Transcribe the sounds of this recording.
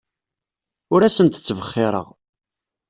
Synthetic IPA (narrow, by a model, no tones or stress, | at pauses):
ʊɾæsənt̪ə̥t͡sːvəχːɪɾˤə̰ʁ